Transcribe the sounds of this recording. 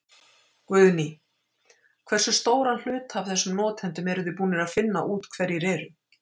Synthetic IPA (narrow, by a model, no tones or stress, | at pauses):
kvʏðni | kʰvɛr̥sʏst̪oːwɾanl̥ʏːt̪hav̥θɛsːʏmnɔːt̪hɛnt̪ʏmɛɾʏðʏpuːnɪɾaðfɪnːa̰ʔuːt̪kʰvɛɾjɪɾɛːɾʏ